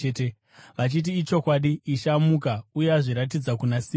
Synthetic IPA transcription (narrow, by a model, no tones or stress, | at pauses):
te | ʋat͡ʃit̬iːt͡ʃo̞kwaɗiiʃamukaujeaʐiɾat̬id͡zakunasi